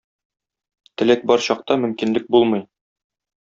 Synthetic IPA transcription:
t̪ɘ̆læk̚bɒɾɕɒq̚t̪ɑmɵ̆mkinlɘk̚bulˠmɤ̆j

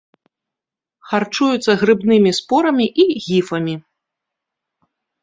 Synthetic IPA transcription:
xart͡ʂujut̪sːɐɣɾɨbnɨmʲispɔɾɐmʲiʔiɣʲifɐmʲi

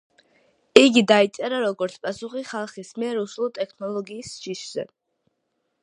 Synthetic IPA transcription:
iɡid̪ait̪sʼɛɾaɾɔɡɔɾt̪sʰpʼasuχiχalˠχismiɛɾuslˠɔt̪ʼɛkʰnɔlˠɔɡiːsʃiʃz̥ɛ̰

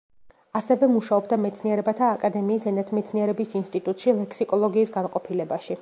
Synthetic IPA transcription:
asɛvɛmuʃaɔbd̪amɛt̪sʰniɛɾɛbat̪ʰaːkʼad̪ɛmiːsɛnɛt̪ʰmɛt̪sʰniɛɾɛbisinst̪ʼit̪ʼut̪ʼʃilɛkʰsikʼɔlˠɔɡiːsɡanqʼɔpʰilɛbaʃi

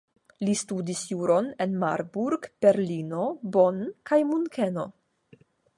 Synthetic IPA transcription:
listudisjuɾo̞nenma̰ɾbuɾɡb̥e̞ɾlino̞bo̞nkajmunkeno̞

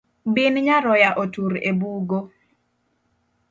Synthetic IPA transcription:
binɲaɾɔjaʔotuɾḛbuɡo

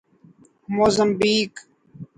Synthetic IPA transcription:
moːzəmbiːk

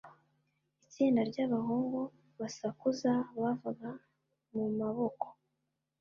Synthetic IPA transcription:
it͡siːndaɾɟaβaɦuːŋɡo | βasakuzaβavaɡa | mumaβo̞ko̥

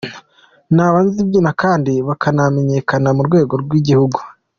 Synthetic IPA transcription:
naːβaːnzibjinakaːndiβakʰaname̞ɲe̞kanamuɾɡwe̞ːɡo̞ɾɡwiɟihuɡu

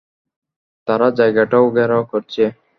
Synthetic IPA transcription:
t̪aɾad͡ʒajɡaʈaoɡɛɾakɔɾt͡ʃʰe

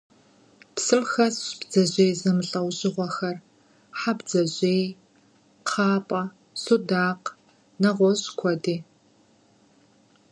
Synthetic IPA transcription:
psɨlxɐsɕb̥d͡zɐʑʼeːjzɐmɨɬʼɐwɕʼɪʁʷɔxɐr | ħabd͡zɐʑʼeːj | qʰɑːpʼɐ | sudaːq | nɐʁʷɔɕʼkʷʰɔdiː

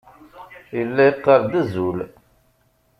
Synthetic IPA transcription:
jəlːæjəqːɑɾˤd̪æzul

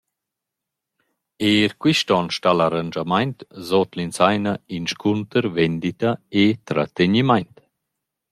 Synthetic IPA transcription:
eːɾkwiʃtɔnʃtalaɾand͡ʒamajnt̪zɔt̪linsajnainʃkʰunt̪əɾvɛnd̪it̪aet̪ɾa̰t̪eɲimajnt̪

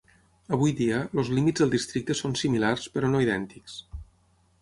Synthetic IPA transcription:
əβ̞ujd̪iəlozlimid͡zðəlˠd̪ist̪ɾik̚t̪əsonsimilarspəɾonoiðɛnt̪iks

